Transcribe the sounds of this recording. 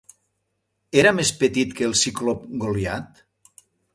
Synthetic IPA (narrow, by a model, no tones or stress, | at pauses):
eɾamespet̪it̪keːlˠsiklop̚ɡoljat̪